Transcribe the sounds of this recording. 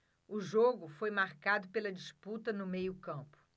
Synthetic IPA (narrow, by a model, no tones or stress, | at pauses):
ʊʒoɡʊfojmaɾkad̪ʊpelɐd͡ʒisput̪ɐnʊmejʊkɐ̃mpʊ̥